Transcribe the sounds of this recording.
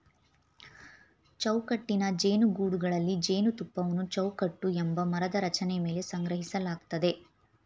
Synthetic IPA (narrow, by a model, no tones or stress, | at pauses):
t͡ʃɐwkɐʈːinɐd͡ʒe̞ːnuɡuːɽuɡɐɭɐlːid͡ʒeːnut̪upːɐʋɐnut͡ʃɐwkɐʈːuembɐmɐɾɐd̪ɐɾɐt͡ʃɐneme̞ːle̞sɐŋɡɾɐɦisɐlaːɡt̪ɐd̪e̞